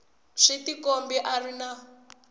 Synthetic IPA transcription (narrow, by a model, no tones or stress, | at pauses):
ʂitikombiʔarina